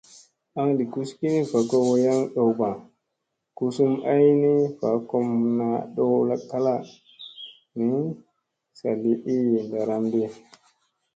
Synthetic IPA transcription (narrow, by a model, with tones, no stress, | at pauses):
a˦ŋdi˨ku˦ski˦ni˦fa˨kɔ˦wɔ˦ja˦ŋɗɔ˨wba˨n | ku˦su˦mʔa˦jni˦fa˨kɔ˦mna˨ɗɔ˦la˨kːa˦la˦ | ni˦ | sa˨li˦ʔi˦jnda˨ɾa˨mdɛ˦